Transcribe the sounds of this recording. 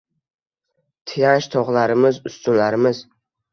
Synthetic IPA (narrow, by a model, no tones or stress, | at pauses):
t̪ʰɪjanʃt̪ʰɒʁlaɾɪmɪzʊst̪ʊnlaɾɪmɪz̥